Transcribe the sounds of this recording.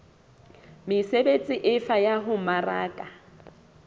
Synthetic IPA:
mɪsebet͡sʼɪʔɪfajaɦʊmara̰ːkʼa

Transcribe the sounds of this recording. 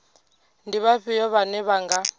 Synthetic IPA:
ndiβaɸijɔβanɛβaŋɡa

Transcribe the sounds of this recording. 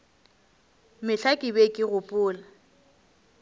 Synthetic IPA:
mɪɬʰakʼɪbekʼɪɣʊpʼʊːla

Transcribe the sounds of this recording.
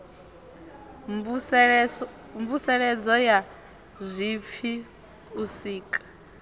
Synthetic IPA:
mbusɛɺɛd͡zɔja | zʷip̪fʰi | usiːkʼḁ

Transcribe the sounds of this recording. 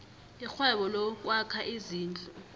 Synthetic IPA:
ixwɛɓɔlɔk̬ʼwakʰaʔiziːnd͡ɮʱʼɔ

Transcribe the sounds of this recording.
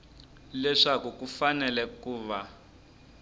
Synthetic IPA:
lɛʂakukufanɛlɛkuːβa

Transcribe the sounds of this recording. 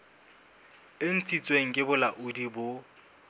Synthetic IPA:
ɪn̩t͡sʼit͡sʼweŋ̩kʼɪbʊlaʔʊdibʊ

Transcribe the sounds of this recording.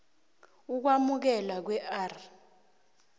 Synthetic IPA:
uk̬wamuk̬ɛlak̬wɛʔar

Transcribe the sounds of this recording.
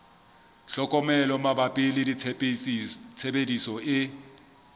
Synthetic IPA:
ɬɔkʼɔmɛlɔmabapʼɪlɪdi | t͡sʰebedisɔɪ

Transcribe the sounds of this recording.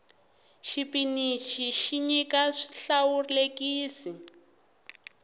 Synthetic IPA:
ʃipinit͡ʃʰiʃiɲikaʂi̥ɬawurilekiːsi

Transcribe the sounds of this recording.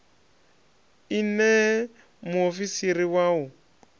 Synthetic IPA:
inɛ | muofisiɾiwau

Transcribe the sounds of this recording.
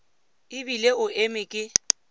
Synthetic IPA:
ɪbileʊʔemɪkʼɪ

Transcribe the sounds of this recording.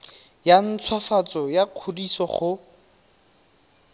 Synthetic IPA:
jan̩t͡sʰwafat͡sɔjaq͡χʰodisɔχʊ

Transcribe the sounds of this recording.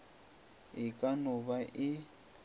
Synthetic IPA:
ɪkʼanʊβaʔɪ

